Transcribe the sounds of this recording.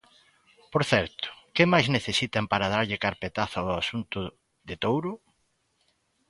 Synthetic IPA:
poɾθɛɾt̪ʊ̥kɪmajzneθesit̪ampaɾað̞aɾʎɪkaɾpet̪aθaʊasunt̪ʊ | ðɪt̪owɾʊ

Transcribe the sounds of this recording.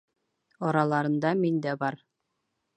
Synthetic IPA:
ɒɾɑlˠɑɾɤ̆nd̪ɑmind̪æbɑɾ

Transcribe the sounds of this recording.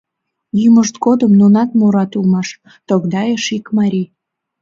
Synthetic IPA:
jyməʃt̪̚ɡod̪əmnunɑt̪muɾɑt̪ulmɑʃ | t̪oɣd̪ɑjeʃikmɑɾʲi

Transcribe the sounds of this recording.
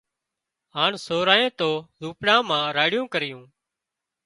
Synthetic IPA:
ɦaːɳsoːɾaːẽːt̪oːzuːpɽãːmãːɾaːɽɪjũːkəɾɪjũː

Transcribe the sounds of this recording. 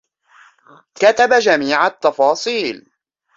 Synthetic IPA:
kat̪abad͡ʒamiːʕat̪ːɑfɑːsˤiːl

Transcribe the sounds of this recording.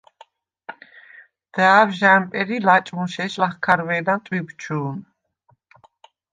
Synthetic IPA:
d̪̥ɛavʒampʼɛɾilat͡ʃʼmunʃɛʃlaχkʰaɾvɛːd̪ant̪ʼwibt͡ʃʰuːn

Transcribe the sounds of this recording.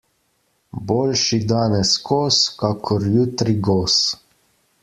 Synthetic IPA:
boːlʃid̪aːnɛskɔːskakʰɔɾjut̪ɾiɡɔːs

